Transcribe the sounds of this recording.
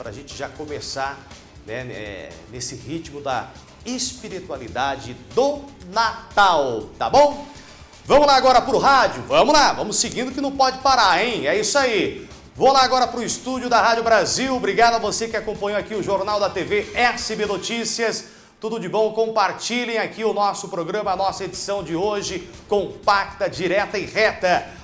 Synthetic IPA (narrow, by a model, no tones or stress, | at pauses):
pɾɐa̰ʒẽt͡ʃɪʒakõmesaɾ | nɛ̰ɛ̰nesɪhit͡ʃmʊd̪ɐ̰ | espiɾit̪ualid̪ad͡ʒɪd̪ʊnat̪awt̪a̰bõw̃ | vɐ̃mʊzlaaɡɔɾɐpɾʊɦad͡ʒʊvɐ̃mʊzlavɐ̃mʊsːɪɡĩnd̪ʊkɪnɐ̃w̃pɔd͡ʒɪpaɾaẽj̃ɛisʊai | volaaɡɔɾɐpɾʊist̪ud͡ʒʊd̪ɐɦad͡ʒʊbɾaziwbɾiɡad̪ʊɐvosekɪakõpɐ̃ɲowakiʊʒoɾnawd̪ɐt̪eveɛsɪbenot͡ʃisiɐs | t̪ud̪ʊd͡ʒɪbõw̃kõpaɾt͡ʃilẽj̃akiʊnɔsʊpɾoɡɾɐ̃mɐɐnɔsɐed͡ʒisɐ̃w̃d͡ʒɪoʒɪ | kõpak̚t̪ɐd͡ʒiɾɛt̪ɐɪʁɛt̪ɐ